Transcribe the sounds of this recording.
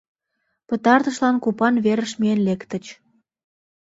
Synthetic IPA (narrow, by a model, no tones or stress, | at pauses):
pət̪ɑrt̪ə̆ʃlɑnkupɑnβeɾəʃmienlekt̪ə̆t͡ɕ